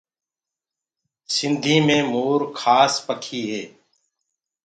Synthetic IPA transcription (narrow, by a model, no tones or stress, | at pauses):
sɪnd̪ʱĩːmẽːmuːɾkʰaːspəkʰiːɦeː